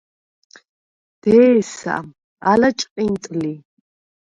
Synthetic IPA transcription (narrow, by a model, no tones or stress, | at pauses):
d̪̥ɛːsa̰ʔ | alat͡ʃʼqʼint̪ʼli